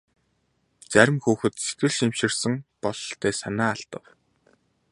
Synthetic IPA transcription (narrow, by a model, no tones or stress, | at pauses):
t͡sæɾʲɪ̆mxuːxɘ̆t̪se̥t̪ɘ̆ɮʃimʃɪ̆rsɘ̆ŋpɔɮɞɬt̪ʰæːsanaːaɬt̪ə̆w